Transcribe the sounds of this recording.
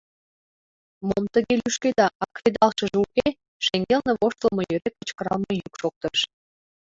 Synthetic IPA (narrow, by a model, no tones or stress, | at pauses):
momt̪əɣelyʃked̪ɑʔɑkred̪ɑlʃə̆ʒuke | ʃeŋɡelnĕβoʃt̪əlmojøɾek̚ːət͡ɕkəɾɑlmɤjukʃok̚t̪əʃ